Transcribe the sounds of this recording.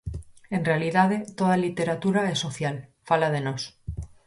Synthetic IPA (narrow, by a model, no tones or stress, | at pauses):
e̞nrealiðaðet̪oð̞alit̪e̞ɾat̪uɾaeso̞θjalfalað̞enos